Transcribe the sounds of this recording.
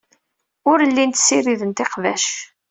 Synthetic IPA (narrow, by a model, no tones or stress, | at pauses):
ʊɾəlːint̪sːiriðənt̪eqvæʃ